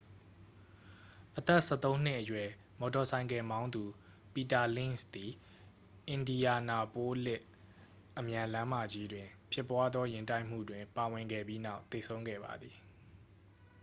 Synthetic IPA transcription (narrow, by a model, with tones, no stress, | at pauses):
ʔət̪ɛ˦ʔsɛ̰˦˨t̪õ˦ʊ̃n̥ɪ˦ʔəjwɛ˨ | mɔ˨tɔ˨sʰã˨ɪ̃ŋkɛ̃˨mã˦ʊ̃nd̪u˨ | pi˨ta˨lɪ̃˦˨nsd̪i˨ | ʔɪ̃˨ndi˨ja˨na˨po˦lɪ˦ʔ | ʔəmjã˨lã˦ma˨d͡ʑi˦dwɪ̃˨pʰjɪ˦pːwa˦d̪ðɔ˦jɪ̃˨nta˦ɪʔm̥ṵ˦˨dwɪ̃˨mpa˨wɪ̃˨ŋɡɛ̰˦˨bji˦na˦ʊt̪e˨sʰõ˦ʊ̃ŋɡɛ̰˦˨ba̰˨d̪ði˨